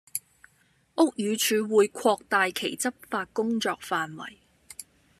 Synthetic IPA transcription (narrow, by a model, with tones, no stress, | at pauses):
ʔʊ˥k̚jyː˨˧t͡ʃʰyː˨˧wuː˨˧jkʷʰɔː˧k̚t̪aː˨˧jkʰe˨˩jt͡sɐ˥p̚faː˧t̚kʊ˥ŋt͡ʃɔː˧k̚faː˨nwɐ̰˨˩j